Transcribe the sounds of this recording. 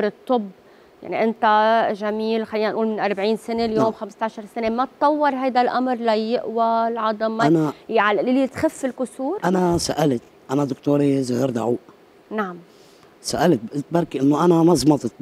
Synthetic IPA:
ɾɨt̪ˤːɨbː | ja̰ʕniʔɪnt̪aʒamiːlxalːiːnanʔuːlmɪnʔɑɾˤbʕiːnsɪneljoːmxamɪst̪aʕʃɑɾˤsɪnemat̪ːˤɑwːɑɾˤɦajd̪alʔamɾlajɪʔwalʕɑd̪ˤɑmːaanaʕalɪlːit̪xafːɪlkʊsuːɾʔanasaʔalt̪ | ʔanad̪ʊkt̪oːɾizʊhiɾd̪aʕuːʔ | naʕam | saʔalt̪̚bʔɪt̪̚bɑɾˤkiʔɪnːoʔanamɑzˤmɑt̪ˤɨt̪̚

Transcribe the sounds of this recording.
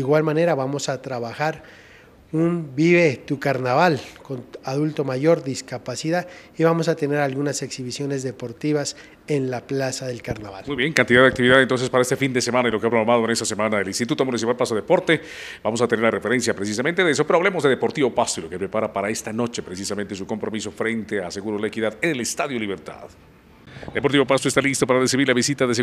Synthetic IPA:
d̪iɣwalmane̞ɾaβamo̞sat̪ɾaβaxaɾ | umbiβet̪ukaɾnaβalko̞naðult̪o̞maʝo̞ɾðiskapasiðaðiβamo̞sat̪e̞ne̞ɾalɣunase̞ksiβisjo̞ne̞zðe̞po̞ɾt̪iβas | e̞nlaplasaðe̞lkaɾnaβa̰lmujβjeŋkant̪iðaðakt̪iβiðaðent̪onsespaɾaest̪efind̪esemãnailo̞keapɾoɣɾamaðoene̞st̪asemanaðelinst̪it̪ut̪oamonesiβalpas̬oðepo̞ɾt̪e | b̥amos̬at̪e̞neɾlare̞fe̞ɾe̞nsjapɾes̬is̬ament̪e̞ðees̬o̞peɾoaβlemozðe̞ðepo̞ɾt̪iβo̞pastoilokepɾepaɾapaɾae̞st̪ano̞t͡ʃe̞pɾes̬isament̪es̬uko̞mpɾo̞miso̞fɾe̞nt̪ease̞ɣuɾolaekiðaðenelest̪aðjoliβeɾt̪a̰ð | d̪e̞poɾt̪iβopast̪oest̪alist̪o̞paɾaresiβiɾlaβisit̪aðes̬e

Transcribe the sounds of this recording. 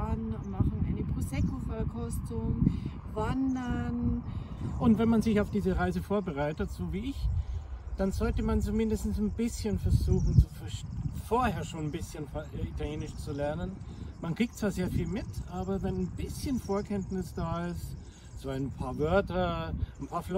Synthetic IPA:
anmaχn̩ʔa̰ɪnəpʁ̥uːzɛkʰofɛkʰɔstʊŋ | vandɐn | ʔʊntvɛnmanzɪçaʊfd̥iːzəʁaɪzəfoːɐbəʁaɪtətz̥oːviːɪç | d̥anzɔltəmant͡sumɪndəstn̩snbɪsçənfɛɐzuːxn̩t͡sufɛɐʃfoːɐheːɐʃoːnnbɪsçənfitaljeːnɪʃt͡sulɛɐnənmankʁ̥iːk̚t̚t͡sv̥aːɐzeːɐfiːlmɪtʰʔaːbɐvɛnnbɪsçənfoːɐkʰɛntnɪsd̥aːɪst | zoːaɪnpʰaːɐvœɐtɐnpʰaːɐflɔ

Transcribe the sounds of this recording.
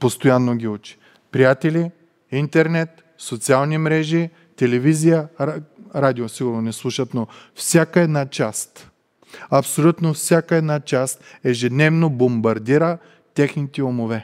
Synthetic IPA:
post̪ojanːoɡʲiut͡ʃi̥ | pɾijat̪ɛli | int̪ɛɾnɛt̪ | sot̪sialˠnimɾɛʒi | t̪ɛlɛvizijə | ɾad̪iosiɡʊɾnonɛslˠuʃət̪nofsʲakəɛd̪nat͡ʃast̪ | ɐpsolʲut̪nofsʲjakəɛd̪nat͡ʃast̪ɛʒɛd̪nɛvnobombɐɾd̪iɾə | t̪ʲɛxnit̪ɛomovɛ

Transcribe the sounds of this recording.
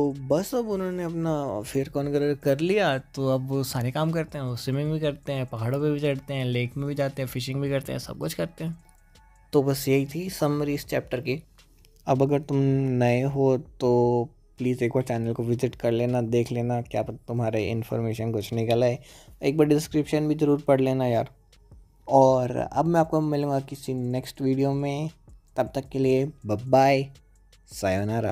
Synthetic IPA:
t̪oːbɐsɐbʊnɦõneɐpnafʰeɾkɔːnɡɐɾəɾɾkɐɾlijat̪oɐbsaːɾekaːmkɐɾt̪eɦɛ̃osɪmɪ̃ŋɡbʱikɐɾt̪eɦɛ̃ːpɐɦaːɽõpibʱit͡ʃɐɽt̪eɦɛ̃ːleːkʰmẽbʱid͡ʒaːt̪eɦɛ̃fɪʃɪ̃ŋɡbʱikɐɾt̪ḛɦɛ̰̃ːsɐ̰b̚kʊt͡ʃʰkɐɾt̪eɦɛ̃ː | t̪obɐsjɐɦit̪ʰisɐmɾiːst͡ʃɛːp̚ʈəɾki | ɐbɐɡəɾt̪ʊmnɐeɦoːt̪oː | pliːzeːkʰʋaːɾt͡ʃɛːnəlkoʋɪzɪʈkɐɾleːnad̪eːkʰleːnakjaːpɐt̪t̪ʊmɦaːɾeɪ̰̃nfɔ̰ːɾmeːʃənɡʊt͡ʃʰnekalaeeːk̚bɐɽɖɪskɾɪpʃənbʱizɐɾuːɾpɐɽ̤leːnajaːɾ | ɔːɾɐ̰bmɛ̃aːp̚komɪlũːŋɡakɪsinɛksʈʋiːɖijomẽt̪ɐb̚t̪ɐkːeliebɐbːaːi | saːjonaɾa̰

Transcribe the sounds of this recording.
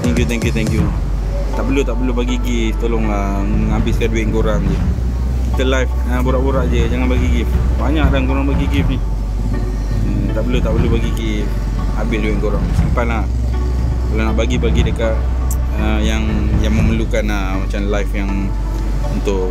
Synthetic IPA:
t̪ɛŋkjut̪ɛŋkjut̪ɛŋkju | t̪aʔbəlut̪aʔbəlubaɡiɡist̪olʊŋə | məŋabɪskanduɛʔ̪̚ŋɡoɾamd͡ʒə | kit̪əlajf | əboɾaʔboɾaʔd͡ʒəd͡ʒaŋanbaɡiɡifbaɲaʔdaŋɡoɾaŋbaɡiɡifni | ət̪aʔbəlut̪aʔbəlubaɡiɡi | abɪsduɛʔ̪̚ŋɡoɾamsimpalah | kalanaʔbaɡibaɡidəkaʔ | əjaŋ | jaŋməməlukanə | mat͡ʃamlajfjaŋ | unt̪ʊʔ

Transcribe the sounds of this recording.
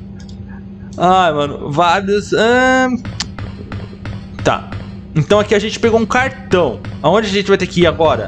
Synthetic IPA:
ajmɐ̃nʊ̰vaɾjʊsɐ̃ | t̪a̰ | ẽnt̪ɐ̃w̃akiaʒẽnt͡ʃɪ̥peɡowũkaɾt̪ɐ̃w̃aõd͡ʒɪɐʒẽt͡ʃɪvajt̪ekɪiaɡɔɾɐ̰

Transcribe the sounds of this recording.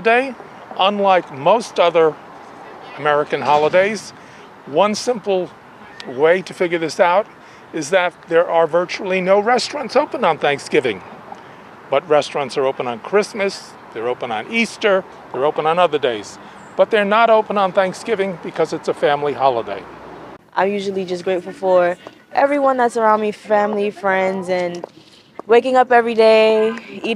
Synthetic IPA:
deɪ | ʔə̃nlaɪkmoʊstʌðə˞ | əmɛɹɨkɨ̃nɦɑlˠədeɪz | wʌ̃nsɪ̃mpl̩ˠ | weɪɾɨfɪɡjə˞ðɪsaʊɾ | ɨzðɨt̪̚ðə˞ʔə˞vɜ˞t͡ʃul̩ˠinoʊɹɛstɹ̥ɑ̃ntsoʊpə̃nd̃n̩θæ̃ŋksɡ̥ɪvɪ̃ŋ | b̥ʌt̚ɹɛstɹ̥ɑ̃ntsə˞oʊpə̃ñnkʰɹ̥ɪsmɨs | ðə˞oʊpə̃nə̃nistə˞ | ðə˞oʊpə̃nə̃nʌðə˞deɪz̥ | b̥ʌt̪̚ðə˞nəɾoʊpə̃nə̃nθæ̃ŋksɡ̥ɪvɪ̃ŋbɨkʰʌzɨtsəfæ̃mlihɑlˠədḛɪʔãɪ̃mjʉʒl̩ˠid͡ʒʌs̬ɡ̥ɹeɪtfl̩ˠfə˞ | ʔɛvɹiwʌ̃nðætsə˞ãʊ̃ndmifæ̃mlifɹɛ̃ndzɨ̃n | weɪkɪ̃ŋʌpɛvɹideɪi

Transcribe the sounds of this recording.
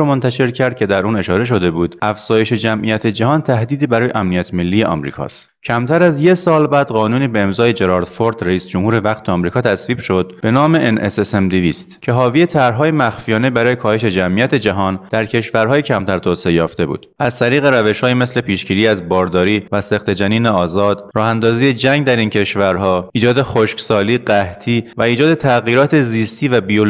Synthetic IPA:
omont̪ʰæʃe̞ɾcʰæɾd̪̚cʰe̞d̪æɾuːne̞ʃɒːɾe̞ʃ̬o̞d̪e̞buːd̪̥ʔæfz̥ɒːje̞ʃe̞d͡ʒæmʔijæt̪ʰe̞d͡ʒæhɒːnt̪ʰæhd̪iːd̪iːbæɾɒːjeʔæmnijæt̪ʰme̞lːiːje̞ʔɒ̰mɾḭːkʰɒ̰ːst̪ | cʰæmt̪ʰæɾæzje̞sɒːlbæːd̪̥ɢɒːnuːniːbe̞emzɒːjed͡ʒe̞ɾɒɾt̪foɾd̪ɾeiːsd͡ʒomhuːɾe̞væqt̪ʰeɒmɾiːkʰɒːt̪ʰæsviːb̥ʃo̞d̪̚be̞nɒːme̞ʔenʔesesemd̪iviːst̪cʰe̞ɦɒːviːet̪ʰæɾɦɒːjemæxfijɒːne̞bæɾɒːje̞kʰɒːhe̞ʃe̞d͡ʒæmʔijæt̪ʰe̞d͡ʒæɦɒːnd̪̥æɾcʰe̞ʃvæɾɦɒːjecʰæmt̪ʰæɾt̪ʰoːseejɒːft̪e̞bṵːd̪̥æzt̪ʰæɾiːɣe̞ɾæve̞ʃhɒːjime̞sle̞pʰiːʃɡiːɾiːæzbɒːɾd̪ɒːɾiːvæsext̪ʰed͡ʒæniːneɒːzɒːd̪̥ɾɒːhænd̪ɒːziːjed͡ʒæŋɡd̪æɾiːncʰe̞ʃvæɾɦɒːʔiːd͡ʒɒːd̪e̞xoʃksɒːliːɢæht̪ʰiːvæiːd͡ʒɒːd̪e̞t̪ʰæɣiːɾɒːt̪ʰe̞ziːst̪ʰiːvæbiol

